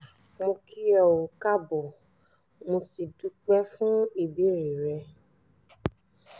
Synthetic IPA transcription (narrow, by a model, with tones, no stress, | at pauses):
mũ˧kʰi˦ɔ˨wʊ˨ka˦bʊ˨ | mũ˨si˨du˨k͡pɛ˦fʊ̃˦i˨bi˨˦ɾi˨ɾɛ˧